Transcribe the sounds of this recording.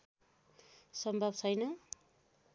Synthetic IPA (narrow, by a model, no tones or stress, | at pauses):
sʌmbʱʌbt͡sʰʌjnʌ